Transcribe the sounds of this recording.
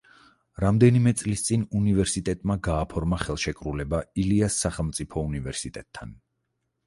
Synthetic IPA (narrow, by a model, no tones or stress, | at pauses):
ɾamd̪ɛnimɛt̪sʼlist̪sʼinunivɛɾsit̪ʼɛt̪ʼmaɡaːpʰɔɾmaχɛlˠʃɛkʼɾulɛbailiasːaχɛlˠmt̪sʼipʰɔunivɛɾsit̪ʼɛt̪ʰːan